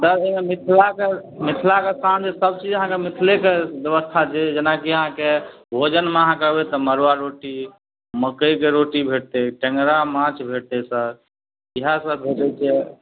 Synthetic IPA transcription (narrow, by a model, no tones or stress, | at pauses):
t̪əɾememit̪ʰlakemit̪ʰlakesand͡ʒesəb̚t͡ʃid͡ʒəɦãkemit̪ʰlekebjəbəst̪ʰat͡ʃed͡ʒənakiəɦãke | bʱod͡ʒənmeəɦãkəbet̪ɔməɾwaɾoʈi | məkəjkeɾoʈibʱeʈ̚t̪eʈeŋɡɾamãt͡ʃbʱeʈt̪esə̃ | iɦasəbbʱed͡ʒɛt͡ʃʰɛ